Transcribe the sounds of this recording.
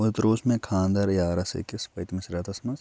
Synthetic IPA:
ʊt̪ɾoːsmẽkʰãːnd̪ɐɾjaːɾɐsḛkispɐjt̪mɐ̃sɾaːt̪ɐsmɐz

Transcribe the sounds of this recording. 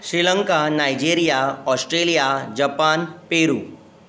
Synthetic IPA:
ɕɾiləŋkanajd͡ʑiɾijaɔsʈɾelijad͡ʑəpanpeɾṵː

